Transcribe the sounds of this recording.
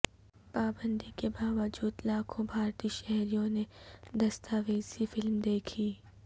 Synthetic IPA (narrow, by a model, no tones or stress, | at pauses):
paːbə̃nd̪ikebaːʋəd͡ʒuːd̪laːkʰõbʱaːɾt̪iːʃɛɦɾijõned̪ɐst̪aːʋeːzifɪlmd̪eːkʰiː